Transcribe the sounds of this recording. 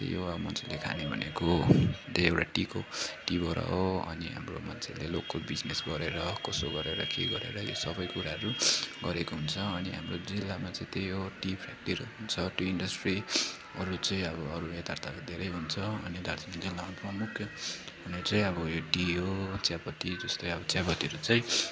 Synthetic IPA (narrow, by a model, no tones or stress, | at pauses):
joʌmʌnt͡sʰelekʰa̰nebʱʌnekot̪eewʈaʈikoʈibʱʌɾa̰oʌ̰niɦa̰mro̰mʌ̰nt͡sʰelelokːobid͡znesɡʌɾeɾʌkʌsoɡʌɾeɾʌkḛɡʌɾḛɾʌjo̰sʌbʌjkuɾaɦʌɾuɡʌɾekoɦunt͡sʰʌːniɦa̰mrod͡zilːamat͡sʌ̃ĩt̪ejoʈipʰɾak̚ʈiɾoɦunt͡sʰʌtjoiɳɖʌsʈri | ʌɾut͡sʌĩʌbʌʌɾuet̪art̪ʰakod̪ʱeɾʌjɦunt͡sʰʌʌ̰nid̪ʱaɾt̪inad͡zilːaɦʌnt̪amukʰjʌ | ɦunet͡sʌĩʌbʌjoʈiɦot͡sjapʌt̪id͡zʌst̪ojʌbʌt͡sjapʌt̪iʌɾut͡sʌĩ